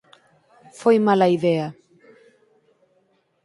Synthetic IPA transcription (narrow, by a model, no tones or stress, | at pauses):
fojmalaiðea